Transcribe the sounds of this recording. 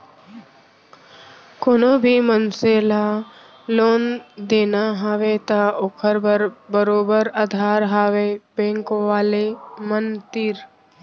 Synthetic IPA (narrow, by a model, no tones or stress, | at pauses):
koːnoːbʱimənseːla | loːnd̪eːnaɦaːʋet̪aokʰəɾbəɾbəɾoːbəɾad̪ʱaːɾɦaːʋebẽːŋkʋaːlemənt̪iɾ